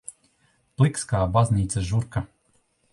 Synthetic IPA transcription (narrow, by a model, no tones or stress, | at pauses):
plˠikskaːbazʲniːt̪saʒuɾka